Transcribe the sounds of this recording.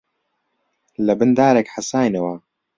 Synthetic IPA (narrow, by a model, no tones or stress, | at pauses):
lɐbɨnd̪aːɾekħasaːjnɐwɐ